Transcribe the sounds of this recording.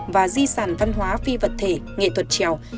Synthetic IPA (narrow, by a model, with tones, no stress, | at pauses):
vaː˨˩zi˧saː˧˩nva˧nɦwaː˨˦fi˧və˨˩t̚t̪ʰe˧˩ŋḛ˧˨t̪ʰwə˨˩t̚t͡ɕɛ˧˩˨w